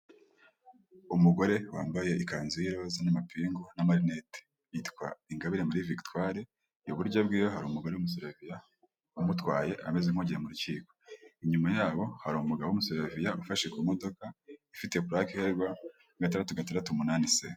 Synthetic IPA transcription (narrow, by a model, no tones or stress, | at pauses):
umuɡo̞ɾe̞wa̰ːmbaje̞ʔikaːnziiɾo̞zanamapiːŋɡonamaɾinete̥ | jitkwa̰iŋɡaβiɾemuɾivikitwaːɾe | joβuɾɟabɡiːjoɦaɾuumuɡo̞ɾe̞wumus̬eɾavija | umutwaːje̞ʔame̞zeŋ̥hoɲɟiɾemuɾuciːko̞̥iɲumajaːβo̞haɾumuɡaβwumuseɾavijaufaʃekumo̞do̞kaifitekuɾakeheɾɡwa | ɡatandatuɡatandatumunaːnise